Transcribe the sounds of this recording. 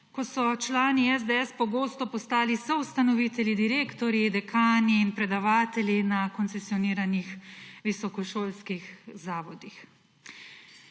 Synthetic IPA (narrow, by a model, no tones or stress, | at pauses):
kɔsɔt͡ʃlaːniɛzd̪eɛspɔɡoːst̪ɔpɔst̪aːlisɔwst̪anɔʋit̪ɛljid̪iɾeːkt̪ɔɾjid̪ɛkʰaːniːnpɾɛd̪aʋaːt̪ɛljinakɔnt̪sɛsiɔniːɾanixʋisɔkɔʃoːlskixzaːʋɔd̪ix